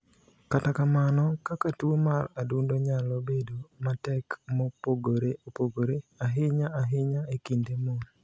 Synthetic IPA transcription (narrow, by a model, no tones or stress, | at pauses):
katakamanɔkakatuomaradundoɲalobedomatɛkmopoɡoɾeopoɡoɾeaɦɪɲaaɦɪɲaekindemon